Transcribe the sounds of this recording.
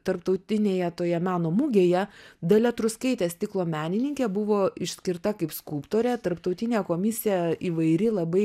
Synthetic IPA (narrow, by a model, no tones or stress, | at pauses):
t̪ɐɾpt̪ɐʊt̪ʲɪnʲeːjɛt̪oːjɛmʲæːnoːmuɡʲeːjɛd̪ɐlʲɛt̪ɾʊskɐɪt̪ʲeːst̪ʲɪklˠoːmʲæːnʲɪnʲɪŋʲkʲeːbʊʋoːɪʃʲsʲkʲɪɾt̪ɐkɐɪpskulˠpt̪oːɾʲɛt̪ɐrpt̪ɐʊt̪ʲɪnʲeːkoːmʲɪsʲɪjæiːʋɐɪɾʲɪlˠɐbɐɪ